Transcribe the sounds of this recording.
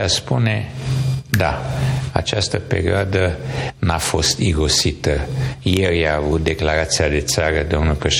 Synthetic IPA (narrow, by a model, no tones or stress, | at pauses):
aspune̞ | d̪aa̰t͡ʃast̪əpe̞̰ɾioad̪ənafo̞st̪iɡo̞sit̪əje̞rʲjaːvut̪̚d̪e̞klaɾat̪siad̪e̞t̪saɾəd̪o̞mnulpɾeʃ